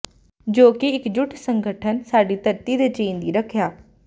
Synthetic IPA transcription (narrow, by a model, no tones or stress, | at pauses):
d͡ʒoːkiɪkd͡ʒʊʈʰsə̃ŋɡʱəʈʰənsaːɖit̪əɾt̪id̪et͡ʃeĩnd̪iɾəkʰɪjaː